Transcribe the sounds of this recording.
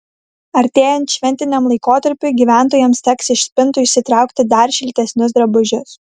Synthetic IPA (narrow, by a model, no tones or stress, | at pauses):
ɐɾʲt̪ʲeːjɛnt̪ʃʲʋʲɛnʲt̪ʲɪnʲɛmlˠɐɪkoːt̪ɐɾʲpʲʊːɡʲiːʋʲæˑnˑt̪oːjɛmst̪ʲɛksɪʃʲsʲpʲɪnˑt̪ʊɪʃʲsʲɪt̪ɾɑˑʊkt̪ʲɪd̪ɐɾʃʲɪlʲt̪ʲɛsʲnʲʊs̬d̪ɾɐbʊʒʲʊs